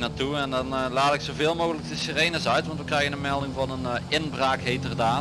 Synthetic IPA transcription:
naːtuɛndɑnlaːtɪksovɪːlˠmoːɣələk̚dəsirejnəsœɥtʋɑntʋəkrɛjɣənənmɛlˠdɪŋvɑnənɪnbraːkɦetərdaː

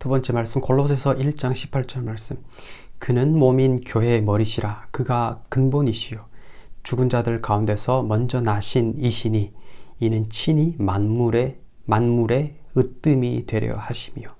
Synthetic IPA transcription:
tubʌnt͡ɕ͈e̞maɭs͈ɯmkoɭːos̬ʰe̞sʰʌʔiɭt͡ɕ͈aŋɕʰi̥pʰaɭt͡ɕ͈ʌɭmaɭs͈ɯmkɯnɯnmominkjoɦe̞mʌɾiɕʰiɾakɯɡakɯnboniɕʰijot͡ɕuɡɯnd͡ʑadɯɭkaunde̞sʰʌmʌnd͡ʑʌnaɕʰiniɕʰiɲiinɯnt͡ɕʰiɲimanmuɾe | manmuɾe̞ | ɯt͈ɯmitwe̞ɾjʌ̰haɕʰi̥mijo

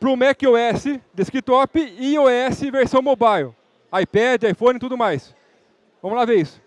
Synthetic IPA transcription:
pɾʊmɛkɪoɛsɪd̪eskit̪ɔpɪioɛsɪveɾsɐ̃w̃mobajl | ajpɛd͡ʒɪajfõnɪt̪ud̪ʊmajs | vɐ̃mʊlaveɾisʊ̥

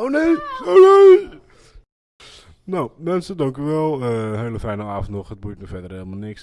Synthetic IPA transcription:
oʊnejonej | nowmɛnsədɑŋkjyʋɛlˠəɦeləfɛjnəaːfəntnɔχət̚bujtnyfɛdərelˠmalˠnɪks

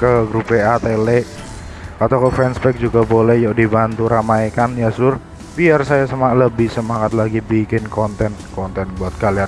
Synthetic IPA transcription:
kəɡɾupɛat̪ele | at̪awkəfɾɛnsbɛk̚d͡ʒuɡabolɛhjɔdibant̪uɾamaekanjasʊr | biarsajasəmaləbɪhsəmaŋat̪̚laɡibikɪnkɔnt̪ɛnkɔnt̪ɛnbuat̪̚kalian

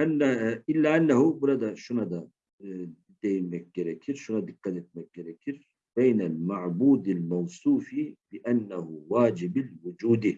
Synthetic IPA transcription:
ʔanːaʔɪlːaʔanːahuwalad̪aʃunad̪a | d̪ajmakːɪɾakʰiɾʃunad̪iqɑd̪at̪̚makːaɾakiɾ | beːnalmaʕbuːd̪almɑwsˤuːfibɪʔanːahuwaːd͡ʒɪbalwʊd͡ʒuːd̪i

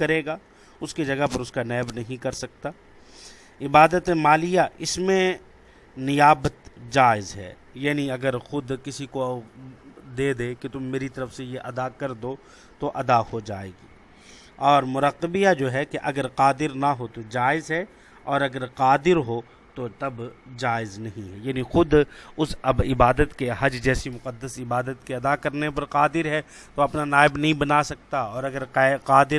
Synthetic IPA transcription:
kɐɾeːɡaː | ʊskid͡ʒɐɡəpɐɾʊskanɛːbnɐɦĩkɐɾsɐk̚t̪aː | ɪbaːd̪ət̪ẽmaːlijaʔɪsmẽ | nɪjaːbət̪d͡ʒaːɪzɦɛ̰ː | jaːniɐɡəɾxʊd̪kɪsiko | d̪eːd̪eːket̪ʊmːeːɾit̪ɐɾəfsejeʔɐd̪akɐɾd̪oː | t̪oʔɐd̪ahod͡ʒaːḛːɡiː | ɔːɾmʊɾəqːəbijad͡ʒoːɦɛkeʔɐɡəɾqaːd̪ɪɾnɐɦot̪od͡ʒaːɪzɦɛ | ɔːɾɐɡəɾqaːd̪ɪɾɦo | t̪ot̪ɐbd͡ʒaːɪznɐɦĩɦɛjaːnixʊd̪ʊsɐɪbaːd̪ət̪keɦɐd͡ʒd͡ʒɛːsimʊqəd̪ːəsɪbaːd̪ət̪keɐd̪akɐɾnepɐɾqaːd̪ɪɾɦɛ | t̪oɐpnanaːɪbnɐɦĩbɐnaːsɐk̚t̪aɔːɾɐɡəɾqaːd̪ɪɾ

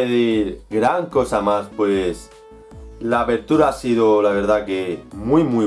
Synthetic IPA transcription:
eðiɾɣɾaŋko̞samaspwes | laːpe̞ɾt̪uɾaasiðolaβ̞e̞ɾð̞akemwijmwi

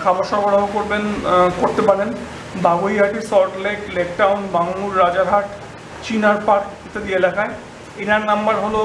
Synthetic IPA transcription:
kʰabaɾʃɔɾbɔɽabokoɾbenkoɾt̪epaɽen | baɡoiɦaʈiɾsɔɾʈleklekʈawnbaŋːuɾːad͡ʑaɾɦaʈ | t͡ɕinaɾpaɾkit̪ed̪ielakae | enaɾnambaɾɦolo

